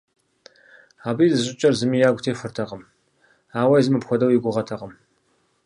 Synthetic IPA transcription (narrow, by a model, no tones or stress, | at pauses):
aːbiːzɨɕʷʼɪt͡ʃʼɐrzɨmiːjaːɡʷtʰeːfɨrtʰɐqəm | aːwɐjzɨmɨpxʷɔdɐwjiɡʷʊʁɐtʰɐqɐm